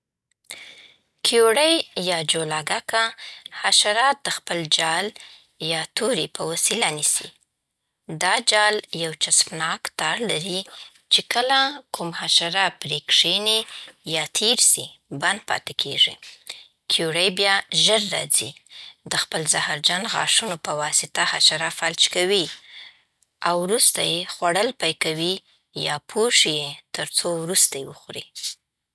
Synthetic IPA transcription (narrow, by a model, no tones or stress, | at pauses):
kʰjoɽəjjɑd͡ʒolɑɡakahaʃaɾɑt̪̚d̪̥əxpəld͡ʒɑl | jɑt̪oɾipəwasilanisḭ | d̪ɑd͡ʒɑljawt͡ʃaspnɑkt̪ɑɾlaɾi | t͡ʃekəlakumhaʃaɾapɾekʂenejɑt̪ʰeɾsiband̪̚pɑ̰t̪ekʰeʐḭ | kʰjuɽajbjɑʒəɾːɑ̰d͡zḭd̪əxpəlzahaɾd͡ʒanɣɑ̰ʂunopəwɑsɪt̪ahaʃaɾafalt͡ʃkawi | awɾust̪ajexwaɽəlpajkawi | jɑpʰoʂijet̪əɾt͡sowɾust̪ajewəxɾi